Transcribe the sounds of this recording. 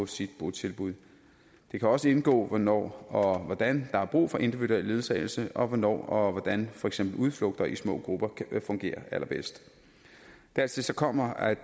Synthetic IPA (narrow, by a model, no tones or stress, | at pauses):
sid̥̚b̥ut͡sʰe̝lb̥uð̰ˠ | d̥e̝kʰæɒ̽səe̝nɡ̥ɔ̰̽ːʋɒnɒ̰ːɒ̽ʋɒd̥ænd̥ɑ̈hɑ̈b̥ʁṵːfɒ̽ʔe̝nd̥iʋiduelːe̝ːðˠsɛːɪl̩səɒ̽ʋɒnɒ̰ːɒ̽ʋɒd̥ænfɒ̽eɡ̥semb̥l̩uð̞ˠflɔ̽ɡ̥̚d̥ɐʔismɔ̰̽ːɡ̥ʁub̥ɐfɔ̽ŋɡ̥e̝̰ːɐʔælʔɐb̥esd̥ | d̥æɐt͡sʰe̝lsɒ̽kʰɒ̽m̰ɐæ̥